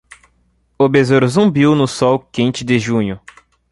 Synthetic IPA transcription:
obezoɾzũbiwnʊsɔwkĩnt͡ʃɪd̪ɪʒũɲʊ

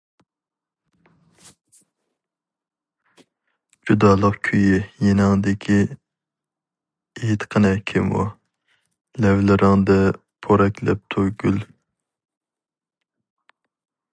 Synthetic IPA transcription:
d͡ʒud̪ɑːlˠəqkʲʰyjijenɪŋd̪ɪkʲʰi | et̪qʰənɛkʲʰimṵ | lɛwlɪɾɪŋd̪ɛ | pʰoɾɛkʲʰlɛ̰p̚t̪ʰoɡʲyl

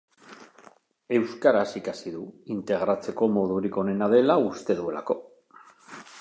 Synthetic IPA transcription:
e̞wskaɾasikasiðuint̪e̞ɣ̞ɾat͡se̞ko̞mo̞ð̞uɾiko̞ne̞nað̞e̞laust̪e̞ðue̞la̰ko̞

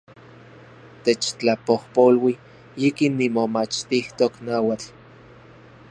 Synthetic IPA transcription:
t̪et͡ʃt͡ɬapohpolwi | ikinːimomat͡ʃt̪iht̪oknaːwat͡ɬ

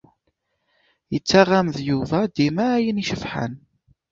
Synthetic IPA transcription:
jət͡sːaʁamðjuvæd̪imæːjəniʃəfħə̰n

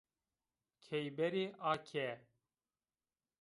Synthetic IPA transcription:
kʰɛjbɛɾiːʔaːkʰɛ

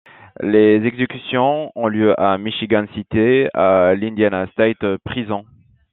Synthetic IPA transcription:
lezɛɡzekʲysjɔ̃ɔ̃ljøʔamiʃiɡansit̪ealĩnd̪janast̪ajt̪pχizɑ̃

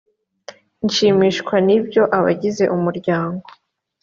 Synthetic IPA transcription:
ɲʃiːmiːʃkwanibɟo̞ʔaβa̰ɟize̞ʔumuɾɟaːŋɡo

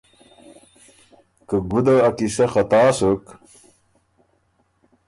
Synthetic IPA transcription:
kəɡud̪aːkisɐxɐt̪aːsək

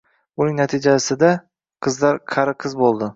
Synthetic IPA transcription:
ʊnɪŋnat̪ʰɪd͡ʒasɪd̪a | qʰɨzlaɾqʰɑɾɪqʰɨzbolˠd̪ɪ

